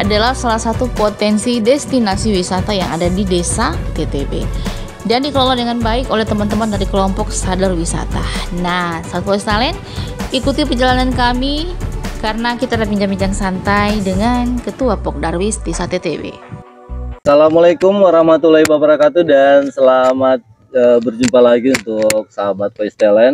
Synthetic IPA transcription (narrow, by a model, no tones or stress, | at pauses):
ʔadalahsalahsat̪upot̪ɛnsidɛst̪inasiwisat̪ajaŋadadidesat̪et̪ebḛ | dandikəlolɔdəŋanbaɪkolɛht̪əmant̪əmandaɾikəlɔmpɔk̚sadarwisa̰t̪anahsat̪uost̪alɛn | ikut̪ipəd͡ʒalanankamikarənakit̪adapiɲd͡ʒamiɲd͡ʒaŋsant̪ajdəŋankət̪uapɔk̚darwispisat̪et̪ebḛ | salamalakʊmwaɾahmat̪ulahibabəɾakat̪udansəlamat̪̚ | əbərd͡ʒumpalaɡiunt̪ʊk̚saabat̪̚faist̪alɛn